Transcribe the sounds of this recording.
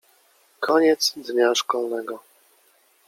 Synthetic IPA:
kʰɔɲɛt̪sd̪ɲaʂkɔlnɛɡɔ

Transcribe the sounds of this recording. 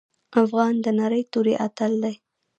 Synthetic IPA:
afɣɑnd̪ənaɾəjt̪oɾeʔat̪əld̪aj

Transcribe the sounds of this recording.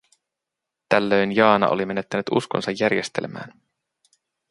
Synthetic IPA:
t̪ælːø̞jnjɑːnɑ̰ʔolime̞ne̞t̪ːænyt̪ṵskonsɑjːærje̞st̪e̞̰lmæ̰ːn

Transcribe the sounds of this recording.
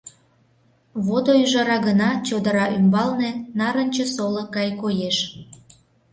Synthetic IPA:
βod̪oyʒɑɾɑɣənɑt͡ɕod̪əɾɑʔymbɑlnenɑɾənʲt͡ɕəsoləkːɑjkojeʃ

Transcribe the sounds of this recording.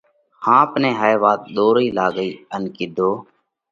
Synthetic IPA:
hãːəpnẽːɦaːeːʋaːt̪̚ɗ̪oːɾiːlaːɡəiːənkɪd̪ʱoː

